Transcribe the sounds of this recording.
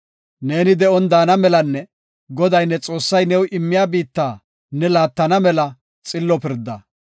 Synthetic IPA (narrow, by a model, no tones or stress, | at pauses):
ne̞ːnɪd̪ɛʔɔnd̪aːnɐmɛlɐnːɛ | ɡɔd̪ɐjnːɛt͡sʼo̞ːsːɐjnɛwʔɪmːɪjaːbiːt̪ːaː | nːɛlaːt̪ːɐnɐmɛlɐ | t͡sʼɪlːɔpɪɾd̪ːɐ